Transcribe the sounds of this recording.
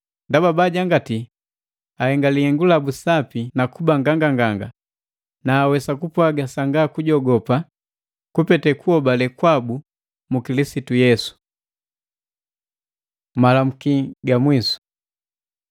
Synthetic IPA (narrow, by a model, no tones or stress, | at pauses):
ndababaɟaŋɡati | ahɛŋɡalihɛŋɡulabusapinakubaŋɡaŋɡaŋɡaŋɡa | naːwɛsakupwaɡasaŋɡakuɟɔɡɔpa | kupɛtɛkuhɔbalɛkwabu | mukilisitujɛsu̥ | malam̩kiɡamwisu̥